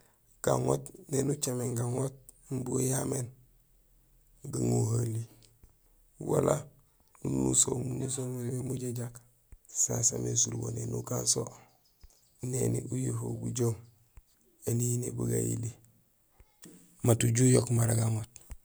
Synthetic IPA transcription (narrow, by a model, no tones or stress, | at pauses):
ɡ̥aŋotnenut͡ʃameŋɡaŋot̚ | mbujamen | ɡiŋoɦali | wala | nunṵsomunusomemuɟeɟak | sasa̰mesuɾubonenukanso | nenḭujifobuɟom | eninebuɡa̰jḭli | matuɟujokmaɾaɡaŋot